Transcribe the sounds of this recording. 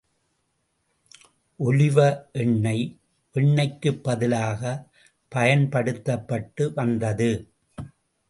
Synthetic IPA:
ʔʊlɪʋɐʔɪɳːɐɪ | ʋɪɳːɐɪkːɯpːɐðɪlaːɣɐ | pɐjɐnpɐɽɯt̪ːɐpːɐʈːɯʋɐnd̪ɐðɯ

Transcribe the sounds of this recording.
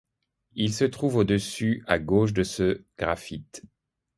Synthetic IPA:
ilsət̪χuvod̪əsyaɡoʃ̬d̪əsəɡ̥ʁafit̪

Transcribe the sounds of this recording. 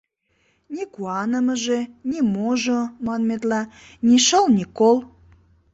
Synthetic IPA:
nʲikuɑnəməʒenʲimoʒomɑnmet̪lɑ | nʲiʃəlnʲikolˠ

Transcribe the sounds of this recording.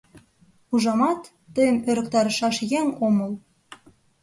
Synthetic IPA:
uʒɑmɑt̪ːə̆jəmøɾə̆k̚t̪ɑɾɤ̆ʃɑʃjeŋomə̆l

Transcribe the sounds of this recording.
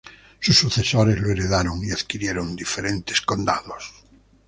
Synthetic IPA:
susːuθesoɾezloeɾeðaɾoŋiaðkiɾjeɾond̪ifeɾẽnt̪eskond̪aðos

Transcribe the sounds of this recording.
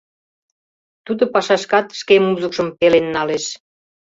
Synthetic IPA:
t̪ud̪ŏpɑʃɑʃkɑt̪ʃkemuzəkʃəmpelenːɑleʃ

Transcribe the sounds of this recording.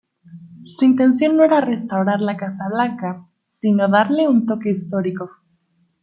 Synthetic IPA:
suint̪e̞ns̬jo̞nːoe̞ɾare̞st̪awɾaɾlakasaβlaŋka | sino̞ðaɾle̞unt̪o̞ke̞ist̪o̞ɾiko̞

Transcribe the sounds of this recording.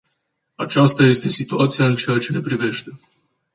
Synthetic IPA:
at͡ʃast̪aje̞st̪e̞sit̪uat̪sijaɨnt͡ʃe̞jat͡ʃe̞ne̞pɾive̞ʃt̪e̞

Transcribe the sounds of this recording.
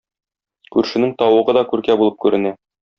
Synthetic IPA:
kʉɾʃɘ̆nɘŋt̪ɒwɤ̆ʁɤd̪ɒkʉɾkæbulˠɤp̚kʉɾɘ̆næ

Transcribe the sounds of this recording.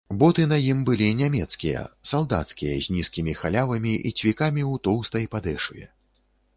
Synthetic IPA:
bɔt̪ɨnɐjimbɨlʲinʲamʲɛt̪skʲijɐ̰salˠd̪a̰t̪skʲijɐ̰zʲnʲiskʲimʲixalʲavɐmʲiʔḭt͡sʲvʲikamʲiwt̪ɔwst̪ɐjpad̪ɛʂujɛ̰

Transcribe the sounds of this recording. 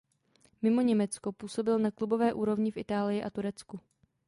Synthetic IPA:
mɪmo̞ɲɛmɛt͡skopuːso̞bɪlnaklubo̞vɛːʔuːɾo̞vɲɪfʔɪt̪aːlɪjɪʔat̪uɾɛt͡sku

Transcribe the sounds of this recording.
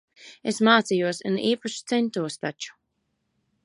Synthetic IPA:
esmaːt̪sijuɔsɨniːpaʃt̪sɛnt̪uɔst̪at͡ʃu̥

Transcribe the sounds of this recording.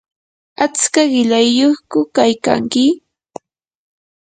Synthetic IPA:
at͡skaɢɪʎajːoχkʊkajka̰ŋkɪ

